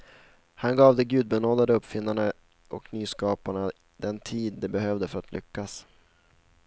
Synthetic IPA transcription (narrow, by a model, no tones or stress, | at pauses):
hanɡɑːvd̪ɛɡʉ̟ːd̪̚bɛnoːd̪ad̪əɵpːfɪnːaɳa | ʔɔknyːskɑːpaɳa | d̪̥ɛnt̪ʰiːd̪ːɛbɛɦœvd̪əfœɾat̪lʔʏ̰kːas